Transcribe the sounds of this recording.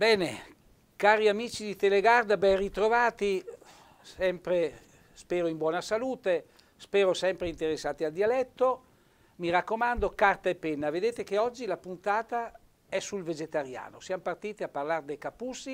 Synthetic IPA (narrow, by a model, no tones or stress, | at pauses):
bɛːne | kaːɾiamiːt͡ʃid̪it̪eleɡard̪abɛnrit̪ɾovaːt̪i | sɛmpɾe | spɛːɾoimbwɔːnasaluːt̪e | spɛːɾosɛmpɾeint̪eɾesːaːt̪iald̪ialɛt̪ːo | miɾakːomand̪okart̪aepːɛnːaved̪eːt̪ek̟eɔd͡ʒːilapunt̪aːt̪a | ɛsulved͡ʒet̪aɾja̰ːnosjamopart̪iːt̪iapːarlard̪ejkapːusːi